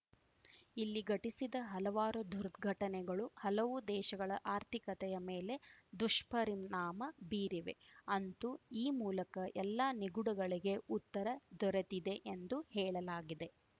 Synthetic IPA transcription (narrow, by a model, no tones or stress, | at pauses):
ilːiɡɐʈisid̪ɐɦɐlɐʋaːɾud̪uɾɡʱɐʈɐnɛɡɐɭuhɐlɐʋud̪ɛːʃɐɡɐɭɐʔaːɾt̪ʰikɐt̪ɛjɐmeːle̞d̪uʂpɐɾimnaːmɐbiːɾiʋe̞̰ɐnt̪uiːmuːlɐkɐʔɛlːaniɡuɽuɡɐɭiɡe̞ut̪ːɐɾɐd̪ɔɾet̪id̪e̞ʔend̪uhɛːɭɐlaːɡid̪e̞